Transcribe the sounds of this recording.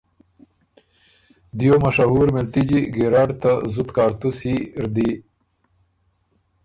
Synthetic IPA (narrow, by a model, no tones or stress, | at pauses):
d̪jomaʂaɦuɾmɪlt̪id͡ʑiɡeɾaːɖt̪azut̪kaːɾt̪usiɾd̪i